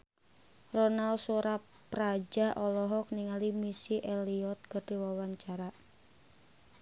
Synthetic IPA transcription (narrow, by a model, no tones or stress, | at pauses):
rɔnalsuɾapː | ɾad͡ʒaʔɔlɔɦɔk̚niŋalimisiʔeliɔt̪̚kərd̥iwawaɲt͡ʃaɾa